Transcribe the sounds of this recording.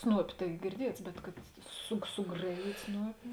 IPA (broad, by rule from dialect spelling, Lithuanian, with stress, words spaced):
ˈsnuɔpʲɪ tɐɪ ɡʲɪrʲˈdʲiɛts bʲɛt kɐt sʊ sʊˈɡrɑːˌjiːtʲ ˈsnuɔpʲɪ